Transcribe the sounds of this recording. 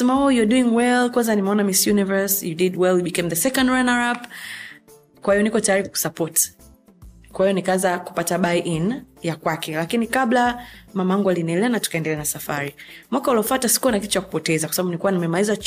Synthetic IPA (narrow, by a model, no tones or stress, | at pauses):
smajɔduiŋwɛlkwanzanimɛɔnamisjunivə˞sjudidwɛljuɓikẽmðəsɛkɔ̃ndɹanaɹap | kwahijɔnikɔtajaɾiku̥sapɔt | kwahijɔnikaazaku̥pataɓaiʔinjakwakʰɛlakinikablamamaaŋɡualinɛlɛanatu̥kaɛndɛlɛanasafa̰ɾimwakauliɔfatasi̥kuɔnakitu̥t͡ʃaku̥pɔtɛzakwasaɓaɓuniikuwanamɛmaiza